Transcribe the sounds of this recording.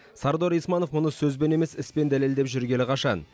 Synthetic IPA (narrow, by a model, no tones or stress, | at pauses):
sɑɾd̪o̞ɾijsmɑno̞fmʊnəsɵzbe̞ne̞me̞sɪspe̞nd̪æle̞ld̪e̞pʒʏɾɡʲe̞lɪqʰɑʃɑn